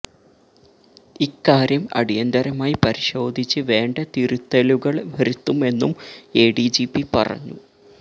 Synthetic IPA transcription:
ikːaːɾjɐmɐ̰ɽijɐnd̪ɐɾɐmaːjipɐɾiɕo̞ːd̪ʱit͡ɕːɨʋe̞ːɳɖɐt̪iɾut̪ːɐluɣɐɭʋɐɾut̪ːume̞nːume̞ːɽid͡ʑipːipɐ̰rɐ̰ɲːu

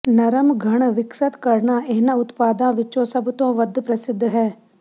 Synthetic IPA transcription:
nəɾəmɡʱəɳ̃ʋɪksət̪kəɾnaːeɦnãːʊt̪paːd̪ãːʋɪt͡ʃõːsəbt̪õːʋəd̪pɾəsɪd̪ʱːɦɛː

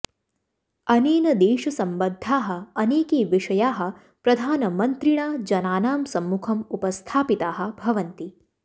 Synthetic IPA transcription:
ɐneːnɐd̪eːʃɐsɐmbɐd̪ʱːaːɦɐ̆ɐneːkeːʋiʂɐjaːɦɐ̆ | pɾɐd̪ʱaːnɐmɐnt̪ɾiɳaːd͡ʒɐnaːnaːmsɐmːukʰɐmupɐst̪ʰaːpit̪aːɦɐ̆bʱɐʋɐnt̪i

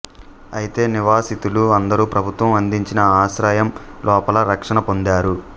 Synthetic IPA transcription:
ɐ̰jit̪e̞ːniʋaːsit̪uluɐnd̪ɐɾuːpɾɐbʱut̪ʋɐmɐnd̪iɲt͡ʃinɐaːʃɾaːjɐmlʔɔːpɐlɐɾɐkʂɐnɐpo̞nd̪aːɾu

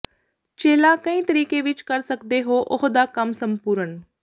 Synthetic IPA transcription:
t͡ʃeːlaːkəĩːt̪əɾiːkeːʋɪt͡ʃkəɾsəkd̪eːɦoːʔʊɦd̪aːkəmsəmpuːɾən

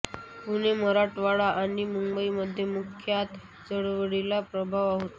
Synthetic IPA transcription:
kuneməɾaʈʋaɭaʔaɽ̃imumbəiməd̪ʱːjemukʰjat̪ | d͡zəɽʋəɽilapɾəbʱaʋaɦot̪a

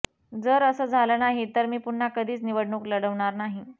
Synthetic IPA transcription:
d͡zəɾəsəːd͡zʱalənaɦit̪əɾmiːpuɳ̤ːakəd̪ʱiːt͡sniʋəɽɳuːkləɽəʋɳ̃aɾnaɦi

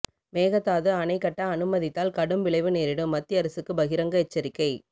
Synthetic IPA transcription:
meːɣɐt̪ːaːðɯɐnɐɪkːɐʈːɐːnɯmɐðɪt̪ːaːlkɐɽɯmʋɪɭɐɪʋɯneːɾɪɽɯmːɐt̪ːɪɐɾɐsɯkːɯbɐɣɪɾɐŋɡɐɛt͡ʃːɐɾɪkːɐɪ

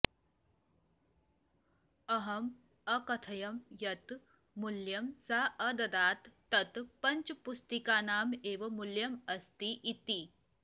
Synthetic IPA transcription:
əɦɐm | əkɐt̪ʰɐjɐmjɐt̪ | muljɐmsaʔəd̪ɐd̪aːt̪ːɐt̪pɐɲt͡ʃpust̪ikaːnaːmeʋɐmuljɐməst̪iʔit̪i

